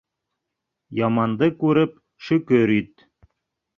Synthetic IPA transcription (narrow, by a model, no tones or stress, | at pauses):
jɑmɑnd̪ɤkʉɾɘp | ʃɵ̆kɵɾit̪̚